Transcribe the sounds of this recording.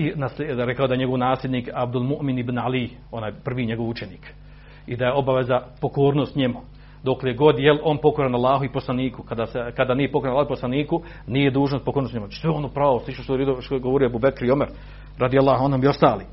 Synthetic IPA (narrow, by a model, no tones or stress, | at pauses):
inaslɾekaod̪ajeɲe̞ɡo̞ʋnaːslʲed̪niːkabd̪ulˠmuʔminibnali | o̞naːjpr̩ʋiːɲeɡo̞ʋut͡ʃeniːk | id̪ajeo̞baʋezapokoːɾnoːst̪ɲemu | d̪okleɡod̪jelʔo̞ːnpo̞koɾanalːˠaːɦuiposlˠaniːkukad̪aːsekad̪aːniːjepokoɾanalˠaːhuiposlˠaniːku | niːje̞d̪uːʒnost̪pokoɾnost̪ɲemot͡ʃsʋeonopɾaoslˠiʃoʃt̪oɾid̪ooɡoʋoɾijoebuːbekɾiomeɾ | ɾad̪ialːaːɦuanhomio̞st̪aːliː